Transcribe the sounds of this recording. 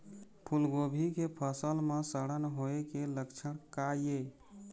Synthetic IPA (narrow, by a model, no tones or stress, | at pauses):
pʰulɡobʱikepʰəsəlmesəɽənɦoekeləkt͡ʃʰəɽ̃kaje